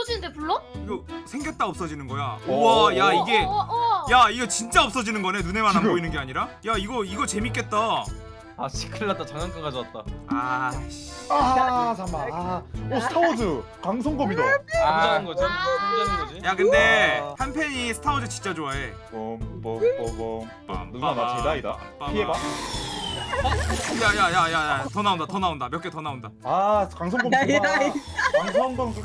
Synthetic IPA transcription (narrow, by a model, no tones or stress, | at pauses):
ʌd͡ʑinɯndepuɭːoiɡʌsʰeŋɡjʌt̚t͈aʌp̚s͈ʌd͡ʑinɯnɡʌja̰ojaiɡe̞jaiɡet͡ɕint͡ɕ͈aʌp̚s͈ʌd͡ʑinɯnɡʌne̞nune̞manɦank͈oinɯnɡeaɲiɾajaiɡʌiɡʌt͡ɕe̞mik͈e̞t̚t͈a | aɕʰi̥kʰɯɭːat͈̚at͡ɕʰaŋaŋk͈aŋɡad͡ʑʌat͈̚aa | aamaosʰɯ̥t̪ʰaodɯ | kaŋs̬ʰʌŋɡʌbidead͡ʑaanɡʌd͡ʑiannɡʌd͡ʑijakɯnde̞hanpʰjeɲisʰɯ̥tʰaodɯt͡ɕint͡ɕ͈ad͡ʑoae | pomp | pa̰mt͡ɕedaida̰ | paieba | jajajajajatʌnaondatʌnaondamjʌk͈etʌnaondaakaŋs̬ʰʌŋɡʌm | kaŋsʰʌŋɡŋ